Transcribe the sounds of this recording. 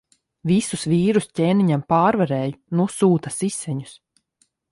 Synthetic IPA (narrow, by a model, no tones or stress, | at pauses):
visusviːɾuscʲeːniɲampaːɾvɛɾɛːjunusuːt̪asisːɛɲu̥s